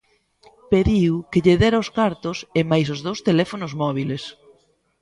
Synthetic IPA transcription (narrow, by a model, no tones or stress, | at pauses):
peðiwkɪʎeðɛɾaoskaɾt̪ʊsɪmajs̬ʊzð̞owst̪elɛfonʊzmɔβ̞iles